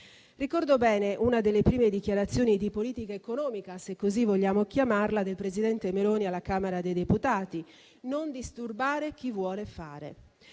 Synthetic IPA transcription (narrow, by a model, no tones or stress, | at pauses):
rikɔrd̪obɛːneʔunad̪elːepɾiːmed̪ik̟jaɾat̪sːjoːnid̪ipoliːt̪ikaekonɔːmikasekːozivːoʎːaːmokjamarlad̪elpɾezid̪ɛnt̪emeloːnialːakaːmeɾad̪ejd̪eput̪aːt̪i | nond̪ist̪urbaːɾek̟ivːwɔːlefaːɾḛ